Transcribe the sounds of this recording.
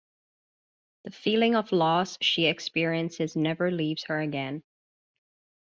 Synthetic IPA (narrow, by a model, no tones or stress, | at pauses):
ðɨfilˠɪ̃ŋʌv̥lɔsʃiɨkspɪɹiɨ̃nsɨznɛvə˞livz̥hə˞ɨɡɛ̃n